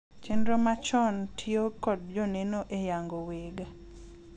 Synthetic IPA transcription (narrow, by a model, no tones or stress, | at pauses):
t͡ʃendɾomat͡ʃɔntʰjokɔd̚d͡ʒonenoʔejaŋɡoweɡa